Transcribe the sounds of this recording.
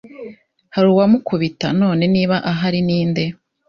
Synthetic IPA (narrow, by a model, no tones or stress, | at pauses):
haɾuwamukʰuβita̰no̞ːne̞niːβaʔaɦaɾiniːnde̞